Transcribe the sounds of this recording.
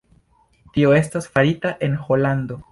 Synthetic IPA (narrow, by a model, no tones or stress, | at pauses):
tio̞e̞stasfaɾitaʔe̞nxo̞lando̞